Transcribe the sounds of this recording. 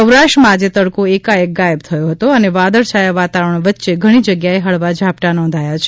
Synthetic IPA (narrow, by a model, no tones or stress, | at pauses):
əwɾaʃʈɾəmãːd͡ʒet̪əɽkoekaek̚ɡaeb̚t̪ʰəjoɦət̪oəneʋad̪əɾʃajaʋat̪aʋəɾəɳʋət̪ːʃeɡʱəɽ̃id͡ʒəɡjaeɦəɭʋad͡ʒʱapʈanɔ̃nd̪ʱajat͡ʃʰe